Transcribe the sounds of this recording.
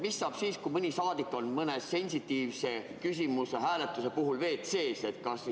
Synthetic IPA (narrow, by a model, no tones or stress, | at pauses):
misːɑːb̥siːskumɯnʲisɑːd̪̥ikːˑo̞nmɤnesse̞nʲsit̪ːˑiːvse̞ | kys̬ʲimuseɦæːle̞t̪ːˑuse̞puɦulve̞ːt̪se̞ːse̞t̪kɑs